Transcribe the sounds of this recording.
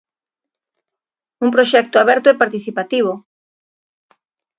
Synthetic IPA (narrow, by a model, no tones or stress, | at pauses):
umpɾoʃɛk̚t̪oaβɛɾt̪oɛpaɾt̪iθipat̪iβ̞o